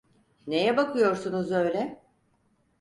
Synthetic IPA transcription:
ne̞jɛbakʰɯjo̞ɾsunuzø̞jlʲɛ

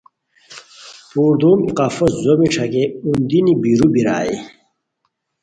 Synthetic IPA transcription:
puːɾd̪uːmiqafoszomiʈ͡ʂʰɐkeund̪inibiɾubiɾa̰ːḭ

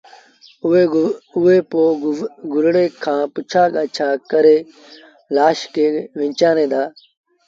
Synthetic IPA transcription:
ʊeːpoːɡʊɾɽeːkʰãːpʊt͡ʃʰaːkət͡ʃʰaːkəɾeː | laːʃkeːʋɪ̃ɲt͡ʃãːnẽːd̪aː

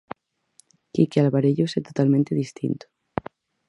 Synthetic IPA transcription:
ikealβaɾeʎuset̪ot̪almẽnt̪eðist̪ḭnt̪o̥

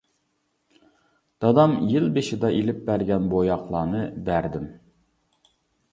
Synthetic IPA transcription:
d̪̥ɑd̪ɑmjɪlbeʃɪd̪ɑʔelɪp̚bæɾɡʲɛnbojɑqlˠɑːnɨbæɾd̪ɪm

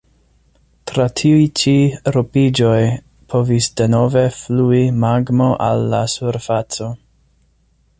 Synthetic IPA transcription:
tɾatʰiujt͡ʃiɾopid͡ʒo̞j | pʰo̞visde̞no̞ve̞fluimaɡmo̞ʔa̰lːasuɾfat͡so̞

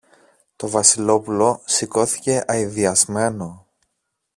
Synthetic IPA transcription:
t̪o̞vɐsilo̞pulo̞siko̞θi̥ce̞ʔɐiðiɐzme̞no̞

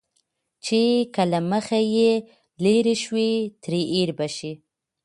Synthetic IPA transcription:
t͡ʃekəlaməxaje | leɾeʃwet̪ɾeʔeɾbaʃi

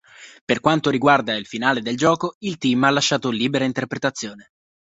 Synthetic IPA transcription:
perkwant̪oɾiɡward̪ailfinaːled̪eld͡ʒɔːkoilt̪iːmalːaʃːaːt̪oliːbeɾaint̪erpɾet̪at̪sːjoːne

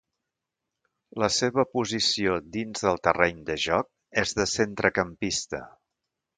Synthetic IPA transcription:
ləseβəpuzisiod̪inzðəlˠt̪ərɛɲd̪əʒɔk̚ | ɛzðəsent̪ɾəkəmpist̪ə̰

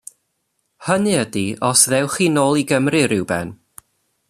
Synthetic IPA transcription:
hənɨədiʔɔsðɛwχinoːlˠiɡəmrɨɾɪwbɛ̰n

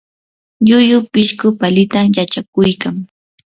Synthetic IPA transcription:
ʎʊjʊpɪʃkʊpalɪt̪amjat͡ʃakʊjkaŋ

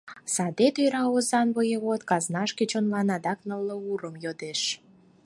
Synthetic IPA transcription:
sɑd̪et̪øjɾɑozɑnβəjeβot̪kɑznɑʃket͡ɕonlɑnɑd̪ɑknəlːəuɾəmjod̪eʃ

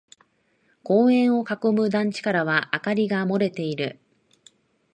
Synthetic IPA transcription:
ko̞ːẽ̞ɰ̃o̞kako̞mɯ̟d̪ãɲ̟t͡ɕi̥kaɾaβ̞aʔakaɾʲiɡamo̞ɾe̞t̪e̞iɾɯ̟

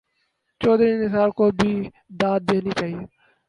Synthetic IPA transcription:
t͡ʃɔːd̪ɾinɪsaːɾkoːbʱiː | d̪aːd̪̚d̪eːniːt͡ʃaːɦieː

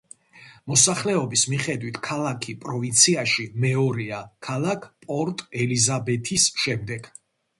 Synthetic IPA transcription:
mɔsaχlɛɔbismiχɛd̪wit̪ʰkʰalˠakʰipʼɾɔvint̪sʰiaʃimɛɔɾiakʰalˠakʰpʼɔɾt̪ʼɛlizabɛt̪ʰisʃɛmd̪ɛɡ̥

